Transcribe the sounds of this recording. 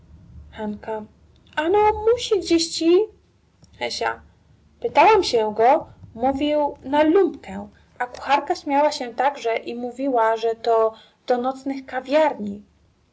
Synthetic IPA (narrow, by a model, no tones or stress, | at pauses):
xanka | anɔmuɕiɡd͡ʑeɕt͡ɕi | xɛɕa̰ | pɘt̪awamɕɛɡɔmuvʲiwnalumpkɛ | ʔaku̥xaɾkaɕmʲjawaɕɛt̪aɡʐɛʔimuvʲiwaʐɛt̪ɔ | d̪̥ɔnɔt̪snɘxkavʲjaɾɲi